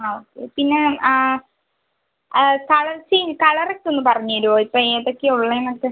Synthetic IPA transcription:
ɳamoːkːepinːe | kɐɭɐt͡ɕːikɐɭɐrekːonːɨpɐrɐɲːuoɾuoːipːoːɐðokːeuɭːɐenɐkːɨ

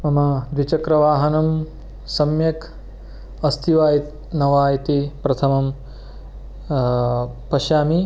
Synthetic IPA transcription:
mɐmɐd̪ʋit͡ʃɐkɾɐʋaːɦɐnɐm | sɐmjɐk | ɐst̪ʰiʋaːjit̪ | nɐʋaːjit̪ipɾɐt̪ʰɐmɐm | pɐʃaːmi

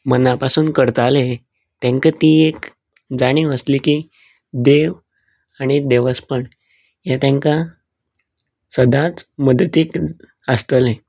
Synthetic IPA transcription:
mənapasuːnkəɾt̪ale | t̪ãŋkət̪iːek | d͡zaɽ̃iːəsliːkiː | d̪eʋ | aɽ̃id̪eʋəspəɳ | jat̪jãŋka | səd̪ʱãt͡sməd̪ət̪iːk | əst̪əlẽ

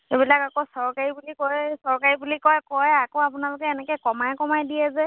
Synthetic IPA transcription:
xebilakakosɔɹkaɹibulikɔjsɔɹkaɹibulikɔjkɔjakoapʊnalokɛːnɛkɛkɔmajkɔmajdiɛzɛ

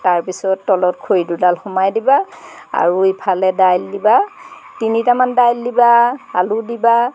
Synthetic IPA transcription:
taɹpisɔtːɔlɔt̚kʰojdudalxɔmajdiba | a̰ɹuipʰalɛdajlːiba | tinitamandajlːibaaludiba

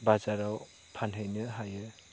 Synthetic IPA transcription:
bazaɾaw | pʰanɦɯjnɯɦajɯ

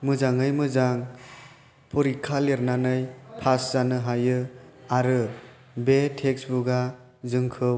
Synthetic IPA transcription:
mɯzaŋɯjmɯzaŋ | pʰɔɾikʰːaleɾnanɯjpʰasz̥anɯɦajɯaɾɯ | betʰeksbuɡa | zɯŋkʰɯ

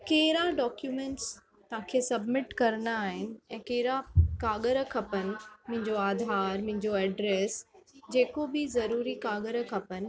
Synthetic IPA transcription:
keːɪɾaɖɔːkjumẽːɳʈs | t̪ɐʋɦãːkʰeːsɐbmɪʈkɐɾənaːɦɪnɪ̆ɛ̃ːkeːɾakaːɠəɾəkʰɐpənɪ̆mʊ̃ɦɪ̃ɲd͡ʑoaːd̪ʱaːɾmɐ̃ɦɪ̃ɲd͡ʑoɛːɖɾeːsd͡ʑeːkobɪzɐɾuːɾikaːɠəɾəkʰɐpənɪ̆

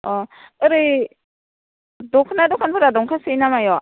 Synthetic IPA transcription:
ɔɯɾɯ | dɔkʰnadɔkʰanpʰɯɾadɔŋkʰasɯjnamajɔ

